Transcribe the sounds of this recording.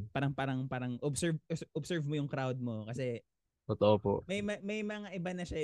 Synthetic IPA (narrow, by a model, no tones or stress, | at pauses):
paːɾɐŋpaːɾɐŋpaːɾɐŋʔobsɛɹvsʔɔbsɛɹvmojʊŋkɾawd̪̚mokɐsɛ | t̪ot̪oʔopo̰ʔmɐjmɐmɐjmɐŋaʔɪbanɐʃa